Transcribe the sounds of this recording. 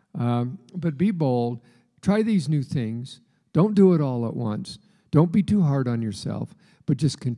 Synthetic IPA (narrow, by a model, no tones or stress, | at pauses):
b̥ʌt̚b̥iboʊlˠd̚ | tʰɹ̥aɪðiznʉθɪ̃ŋz̥ | d̥õʊ̃ndɨɪɾɔlˠə̰ʔwʌ̰̃ns | d̥õʊ̃nb̥itʰuɦɑɹɾn̩jə˞sɛ̰lˠf | b̥ʌt̚ʒ̥ʌskʰɨ̃n